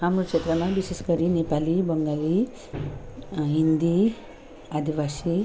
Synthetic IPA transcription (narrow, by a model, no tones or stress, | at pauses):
ɦamɾokt͡ʃet̪ɾəmãʋiʃeskɐɾinepalibəŋɡali | ɦind̪i | ad̪ʱiʋasi